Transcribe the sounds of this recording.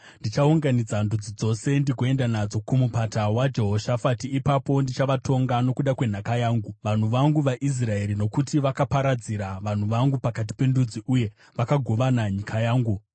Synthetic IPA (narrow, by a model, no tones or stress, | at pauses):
ndit͡ʃauŋɡanid͡zandud͡zid͡zo̞se̞ndiɡʱoe̞ndanad͡zo̞kumupatawad͡ʒe̞ɦoʃafatiːpapo̞ndit͡ʃaʋato̞ŋɡano̞kuɗakwe̞n̤akajaːŋɡuʋan̤uʋaŋɡuʋaʔis̬rae̞ɾino̞kutiʋakapaɾad͡ziɾaʋan̤uʋaŋɡupakat̬i̥pe̞ndud͡ziʔuje̞ | ʋakaɡʱo̞ʋanaɲikʰajaːŋɡu